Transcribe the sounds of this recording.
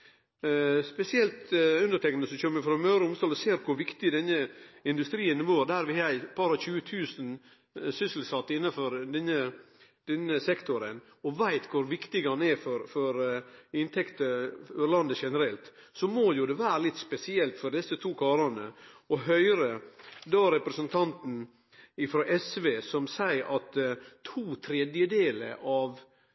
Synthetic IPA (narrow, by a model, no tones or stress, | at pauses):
spɛsɪɛlt̪ʉnd̪əʈʰɛknəsɔçœmːɾɪfɾɔmœʉɾəʊmst̪ɑːlɔseːɾkʰʊɾʋɪkt̪ɪd̪ɛnːəɪnd̪ʉst̪ɾiːənʋoːɾd̪æɾʋɪhɑæɪb̥ɑɾɑçʉːət̪ʰʉːsən | sʏsl̩sɑt̪ːəɪnːɑfɔɾd̪ɛnːə | d̪̥ɛnːəsɛkt̪ʰʊɾən | ɔʋæɪt̪kʰʊɾʋɪkt̪ɪɡɑnɛfɔɾfɔɾɪnt̪ʰɛkt̪əøɾlɑnd̪əʂɛnəɾɛlt̪sɔmojʊd̪ɛʋæːɾəlɪt̪ːspɛsɪɛlt̪fɔɾɖɛsːət̪ʰuːkʰɑːɾɑnəɔɦœʏɾəd̪oːɾɛpɾɛsənt̪ʰɑnt̪n̩ | ɪfɾoːʔɛsʋeːsɔmsæɪɾʔɑt̪ʰuːt̪ʰɾɛd̪jəd̪eːlə̰ɾʔɑʋ